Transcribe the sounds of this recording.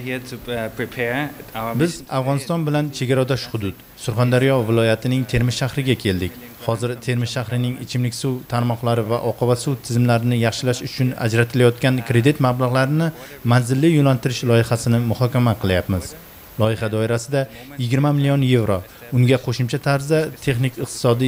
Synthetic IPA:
itʰpʰɹipʰɛbɪzsafʁɒnɪst̪ɒnbɪlant͡ʃʰe̞ɡʲaɾad̪ɒʃχʊd̪ʊd̪ | sʊɾχand̪aɾjɒvɪlˠɒjat̪ʰɪnɪŋt̪ʰe̞ɾmɪsʃahɾɪɡʲakʲʰe̞ld̪ɪkʲ | hɒzɪɾt̪ʰe̞ɾmɪzʃahɾɪnɪŋɪt͡ʃʰɪmlɪkʲsuwt̪ʰaɾmɒqlˠaɾɪvaʔɒqʰɨvasuwt̪ʰɪzɪmlaɾɪnɪjɑχʃɪlaʃʊt͡ʃʰʊna̰d͡ʒɾat̪ʰɪlajɒt̪kʲankʰɾe̞d̪ɪt̪mablˠaʁlaɾɪnɪ | manzɪlːɪjonant̪ʰɪɾɪʃlˠɒjɪχasɪnɪmʊhɒkʲamaqʰɨlˠjapmɪz̥ | lˠɒjɪχad̪ɒɪɾasɪd̪ajɪɡʲɪɾmamɪlijonje̞vɾo | ʊŋɡʲaqʰoʃɪmt͡ʃʰat̪ʰaɾzd̪at̪ʰe̞χnɪkʲɨq̚t̪ʰɪ̥sɒd̪i

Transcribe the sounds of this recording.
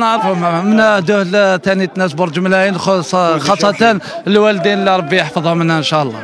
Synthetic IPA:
nəʕɾəfʊmmənæhd̪uhlt̪ænit̪næsbʊɾˤd͡ʒmlæjinxxɑsˤːɑt̪ənlwæld̪inəlːiɾˤɑbːijəħfəðˤhʊmənhæənʃæʔəlˤːɑ̰

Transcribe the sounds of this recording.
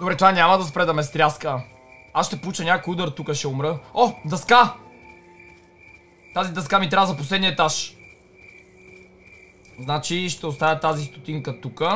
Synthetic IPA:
d̪obɾɛt̪uvanʲamɐd̪ɐspɾɛd̪ɐmɛst̪ɾʲaskə | asʃt̪ɛpolˠut͡ʃənʲakojud̪əɾt̪ukəʃɛʊmɾəɔd̪ɐska | t̪azid̪ɐskamit̪ɾʲavəzɐposlɛd̪niəɛt̪aʃ | znat͡ʃiʃt̪ɛost̪avʲət̪azist̪o̥t̪iŋkət̪ukə

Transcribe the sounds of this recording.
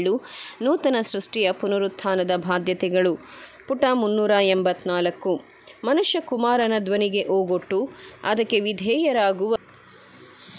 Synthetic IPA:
ɭːunuːt̪ɐnɐsɾuʂʈijɐpunɐɾut̪ʰːaːnɐd̪ɐbʱaːd̪jɐt̪ɛɡɐɭu | puʈɐmunːuːɾɐembɐt̪naːlɐkːu | mɐnuʃjɐkumaːɾɐnɐd̪ʋɐniɡe̞ʔoːɡoʈːuɐ̰d̪ɐkːe̞ʋid̪ʱɛːjɐɾaːɡuʋɐ

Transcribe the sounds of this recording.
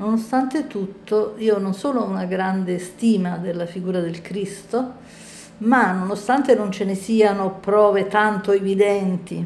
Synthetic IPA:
nonost̪ant̪et̪ut̪ːoiːononsoːloɔunaɡɾand̪est̪iːmad̪elːafiɡuːɾad̪elkɾist̪o | manːonost̪ant̪enont͡ʃenesiːanopɾɔːvet̪ant̪oevid̪ɛnt̪i

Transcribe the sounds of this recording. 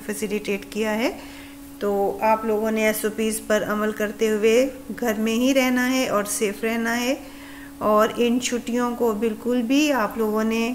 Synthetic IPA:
fɛsɪlɪʈeːʈkijaɦɛː | t̪oːaːploːɡõneɛːsoːpiːzpɐɾɐməlkɐɾt̪eɦʊe | ɡʱɐɾmẽɦiɾɛɦnaɦɛʔɔːɾseːfʰɾɛɦnaɦɛː | ɔːɾɪnt͡ʃʰʊʈijõkobɪlkʊlbʱiaːploːɡõne

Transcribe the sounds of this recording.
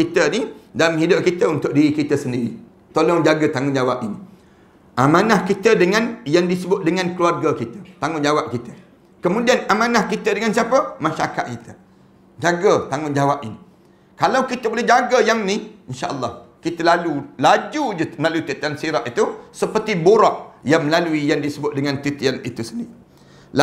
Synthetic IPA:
kit̪ənidalamɦidʊp̚kit̪əunt̪ʊk̚diɾikit̪əsəndiɾḭ | t̪olɔŋd͡ʒaɡət̪aŋʊnd͡ʒawap̚ini | ʔamãnahkit̪ədəŋãnjaŋdisəbʊt̪̚dəŋãnkəluarɡakit̪ə̥t̪aŋʊnd͡ʒawap̚kit̪ə | kəmũdianamãnahkit̪ədəŋansiapəmãʃaɾaka̰t̪̚kit̪ə | d͡ʒaɡat̪aŋʊnd͡ʒawap̚ini | kalawkit̪əbolɛhd͡ʒaɡajaŋniinʃaʔəlˠːɑhkit̪əlalulad͡ʒud͡ʒəmlaluit̪it̪ansiɾaʔ̪it̪usəpərt̪iboɾɔʔ̚jaŋməlaluijaŋdisəbʊt̪̚dəŋãnt̪it̪ianḭt̪usəni | la

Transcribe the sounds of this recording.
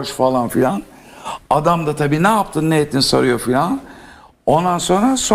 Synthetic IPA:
ʃfalˠanfilʲan | ad̪amd̪at̪ʰabiːnɛjap̚t̪ʰɯnːejɛt̪ʰːinisa̰ɾɯjo̞filʲan | o̞nd̪anso̞nɾaso

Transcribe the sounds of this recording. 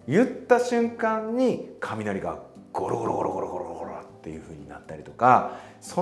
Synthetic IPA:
jɯt̪ːaɕɨ̃ŋkãɲːikʰamʲinaɾʲiɡa | ɡ̥o̞ɾoɡoɾo̰ɡoɾoɡoɾoɡoɾooɡoɾot̪ːe̞jɯ̟ɸɯ̟ːɲ̟ina̰t̪ːaɾʲit̪o̞ka | so

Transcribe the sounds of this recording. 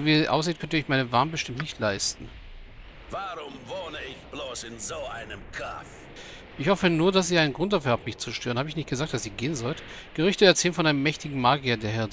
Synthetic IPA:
viːʔa̰ʊs̬z̥iːt̚kʰœnt̬əɪçmaɪnəvaɐməbəʃtɪmtnɪçtʰlaɪstn̩ | vaʁʊmvoːnəɪçb̥loːsɪnzoːʔaɪnəmkʰɔf | ʔɪçhɔfənuːɐdas̬z̥iːaɪnənɡʁʊnt̚d̥afyːɐhaːpmɪçt͡suʃtøːʁənhaːbəɪçnɪçtɡ̥əzaːk̚td̥asz̥iːɡeːənzɔlt | ɡ̥əʁʏçtəɛɐt͡sɛːlənfɔnʔaɪnəmːɛçtɪɡŋ̩maːɡiɐdeːɐɦɛɐ

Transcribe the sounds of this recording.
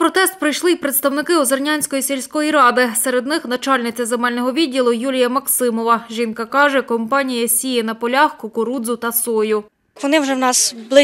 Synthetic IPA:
pɾɔt̪ɛst̪̚pɾɪjʃlˠɪjpɾet̪st̪ɐwnɪkɪɔzɐrnʲanʲsʲkɔjisʲelʲsʲkɔjiɾɑd̪ɪsɛɾed̪nɪxnɐt͡ʃɑlʲnɪt͡sʲɐzemɛlʲnɔɦɔʋʲidʲːilˠʊjulʲijɐmɐksɪmɔʋɐʒinkɐkɑʒɛkɔmpɑnʲijɐsʲijɛnɐpɔlʲɑxkʊkʊɾud̪zʊt̪ɐsɔjʊ | ʋɔnɪwʒɛwnɑsblˠɪ

